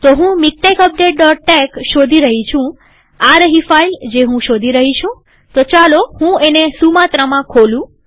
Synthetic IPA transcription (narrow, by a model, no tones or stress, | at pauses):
t̪oɦũmik̚ʈekəp̚ɖeʈ̚ɖɔʈ̚ʈekʃod̪ʱiɾəɦit͡ʃʰũ | aɾəɦifaild͡ʒeɦũʃod̪ʱiɾəɦit͡ʃʰũ | t̪ot͡ʃalohũenesumat̪ɾamãkʰolũ